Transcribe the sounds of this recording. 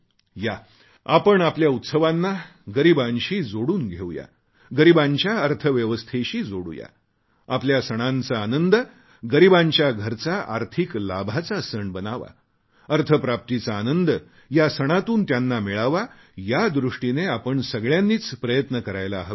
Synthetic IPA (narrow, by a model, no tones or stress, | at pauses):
ja | apəɳapljaut̪səʋanːaɡəɾibãnɕiːd͡zoɽuːnɡʱeʋja̰ | ɡəɾibãɲt͡ɕjaəɾt̪ʰəʋjəʋəst̪ʰeɕiːd͡zoɽṵːja̰ | apljasəɽ̃ant͡saːnənd̪ | ɡəɾibãɲt͡ɕjaɡʱəɾt͡saʔa̰ɾt̪ʰikla̰bʱat͡sasəɳbənaʋa̰ | əɾt̪ʰəpɾap̚t̪it͡saːnənd̪ | jasəɽ̃at̪uːnt̪janːamiɭaʋa | jad̪ɾuʂʈineapəɳsəɡɭjanːiːt͡spɾəjət̪nəkəɾajlaːɦə